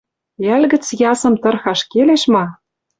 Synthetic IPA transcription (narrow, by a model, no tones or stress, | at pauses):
ælɡɘ̆t͡sjɑsɤ̆mt̪ɤ̆rxɑʃkeleʃmɑ